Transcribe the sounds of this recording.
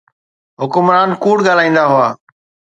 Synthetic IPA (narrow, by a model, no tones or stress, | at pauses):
ɦʊkʊmɾaːnkuːɽɠaːl̤aːĩːnd̪aɦʊaː